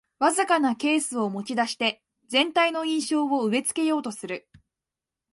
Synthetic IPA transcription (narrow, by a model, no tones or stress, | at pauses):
βazɨkanake̞ːsɨo̞mo̞t͡ɕid̪aɕi̥t̪e̞ | zẽ̞nt̪aino̞ĩɰ̃ɕo̞ːβo̞ɯ̟e̞t͡sɨ̥ke̞jo̞ːt̪o̞sɨɾɯ̟